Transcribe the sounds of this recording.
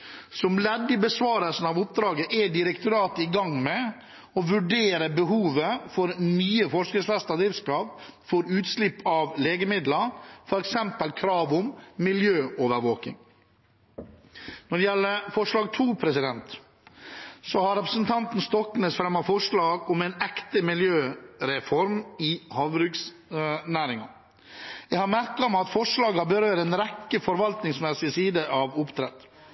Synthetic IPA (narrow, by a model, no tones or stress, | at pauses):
sɔmlɛd̪ːɪbəsʋɑːɾəlsn̩ɑːʋʊp̚d̪ɾɑːɡəʔɛɖɪɾəkt̪ʊɾɑːt̪əɪɡɑŋmɛ | ɔʋʉɖeːɾəbəɦuːʋəfɔɾnyːəfɔʂkəsfɛst̪ɑd̪iːskɑːp | fɔɾʉːt̪slɪpːɑʋleːɡəmɪd̪ləfɔɾɛksɛmpəlkʰɾɑːʋʊmːɪljøːʔoːʋəɾʋoːkɪ̰ŋ | nɔɖɛjɛlːəfɔʂɭɑːɡ̚t̪ʰuːpʰɾɛsɪd̪ɛnt̪ | sɔhɑɾɛpɾəsn̩t̪ʰɑnt̪n̩st̪ɔkːnesfɾɛmːɑfɔʂɭɑːɡɔmɛːnɛkt̪əmɪljøːɾɛfɔɾmɪhɑːʋɾʉːks | næːɾɪŋɑ̰ | jɛhɑɾmæɾkɑmɛɑt̪fɔʂlɑːɡɑbəɾøːɾɛːnɾɛkːəfɔɾʋɑlt̪nɪŋsmɛsɪsiːd̪əʔɑʋʊpt̪ʰɾɛt̪